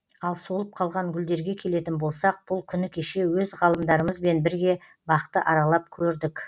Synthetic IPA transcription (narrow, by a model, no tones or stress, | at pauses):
ɑlˠso̞lˠəp̚qʰɑlˠʁɑŋɡʲʏld̪e̞ɾɡʲe̞kʲʰe̞le̞t̪ɪnbo̞lˠsɑq̚b̥ʊlˠkʲʰʏnɪkʲʰeʃe̞wɵzʁɑlˠəmd̪ɑɾəməzbe̞nbɪɾɡʲe̞ | bɑqt̪əʔɑɾɑlˠɑp̚kʲʰɵɾd̪ɪkʲ